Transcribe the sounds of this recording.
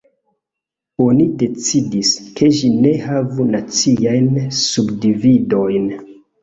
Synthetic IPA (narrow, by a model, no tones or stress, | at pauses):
o̞nide̞t͡sidiskʰe̞ʃine̞havunat͡siajnsubdivido̞jn